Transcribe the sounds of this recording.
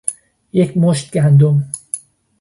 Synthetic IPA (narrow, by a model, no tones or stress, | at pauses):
jecʰmoʃt̪̚ɡænd̪om